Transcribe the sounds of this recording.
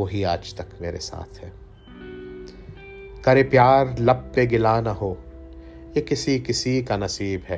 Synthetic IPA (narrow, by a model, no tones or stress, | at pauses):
oɦiaːd͡ʒt̪ɐkmeːɾesa̰ːt̪ʰhɛː | kɐɾepjaːɾlɐb̚ːeɡɪlaːnɐɦoː | jekɪsikɪsikanɐsiːbɦɛː